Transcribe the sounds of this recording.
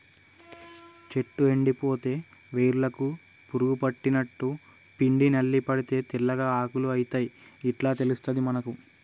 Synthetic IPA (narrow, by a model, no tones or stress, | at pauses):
t͡ʃe̞ʈːue̞ɳɖipo̞ːt̪e̞ːʋeːɾulɐku | puɾuɡupɐʈːinɐʈːu | piɳɖinɐlːipɐɽit̪e̞ːt̪ilːɐɡaːaːkuluɐjit̪ɐjiiʈlaːt̪e̞lust̪ɐd̪imɐnɐku